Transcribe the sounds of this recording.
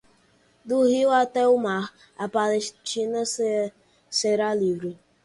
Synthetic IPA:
d̪uɦiwat̪ɛumaɾ | apalest͡ʃina | seɾalivɾi

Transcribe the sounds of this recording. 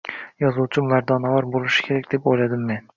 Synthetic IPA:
jɒzuwt͡ʃʰɪmvaɾd̪ɒnavɒɾbolˠɪʃɪ̥kʲʰe̞ɾakʲd̪epojlad̪ɪmːe̞n

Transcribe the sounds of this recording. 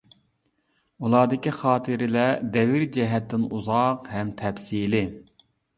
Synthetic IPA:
ulˠɑːd̪ɪkʲiχɑːt̪ʰɨɾɪlɛd̪ɛvɪɾd͡ʒɛɦɛt̪ːɪnuzɑqhɛmt̪ʰɛpsiːlɪ

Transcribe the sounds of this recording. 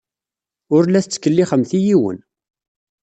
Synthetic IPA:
ʊɾlæθt͡sːkːəlːiχəmθijiwə̰n

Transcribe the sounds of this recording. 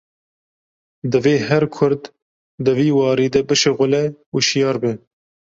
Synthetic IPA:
d̪ɨveːhɛɾkʰʊɾd̪ː | ɨviːwɑːɾiːd̪ɛbɨʃeɣʊlɛuʃijɑːɾbɨ

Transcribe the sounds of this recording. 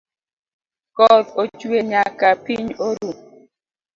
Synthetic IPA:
kɔðot͡ʃweɲakapiɲoɾu

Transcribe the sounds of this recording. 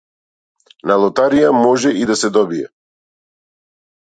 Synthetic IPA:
nalˠɔt̪aɾijamɔʒɛid̪asɛd̪ɔbiɛ̰

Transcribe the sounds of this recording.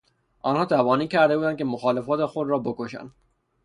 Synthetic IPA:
ʔɒːnhɒːt̪ʰævɒːniːcʰæɾd̪e̞buːd̪æn̚cʰe̞moxɒːlefɒːt̪exod̪ɾɒːbokoʃæ̰nd̪

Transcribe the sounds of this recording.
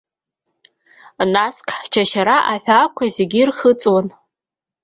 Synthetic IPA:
naskʰʼt͡ʃʰaʃaɾaʔaħʷᶣakʷʰazeɡʲirχət͡sʼwan

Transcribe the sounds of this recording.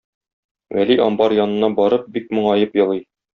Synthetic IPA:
wæ̰liʔɒ̰mbɑɾjɒnɤ̆nːɑbɒɾɤp̚bik̚mŏɴɑjɤpjɤ̆lˠij

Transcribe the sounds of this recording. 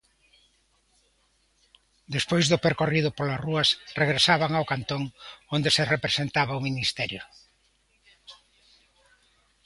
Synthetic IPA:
d̪espojzðʊpeɾkoriðʊpolasruɐsreɣɾesaβaŋawkant̪oŋond̪eserepɾesent̪aβaʊminist̪ɛɾjʊ

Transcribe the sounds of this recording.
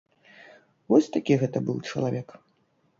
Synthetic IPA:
vɔsʲt̪akʲiɣɛt̪ɐbɨwt͡ʂɐlˠavʲɛk

